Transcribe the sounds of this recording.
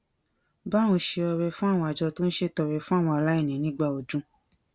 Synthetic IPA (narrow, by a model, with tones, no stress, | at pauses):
bã˦ũ˧ʃe˧ɔ˧ɾɛ˧fũ˦a˦˨w̃ɔ̃˧a˨d͡ʒɔ˧to˦n̩˦ʃe˧tɔ˧˨ɾɛ˧fũ˦a˦˨w̃ɔ̃˧a˨la˦e˦˨nĩ˨˦nĩ˦ɡ͡ba˧˨o˨d͡ʒũ˨˦